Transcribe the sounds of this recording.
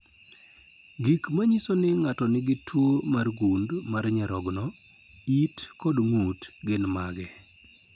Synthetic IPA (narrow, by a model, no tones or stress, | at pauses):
ɡikmaɲisonɪŋatɔnɪɡɪtʰwomarɡundmarɲɛɾɔɡnɔ | itkɔdŋutɡɪnmaɡɛ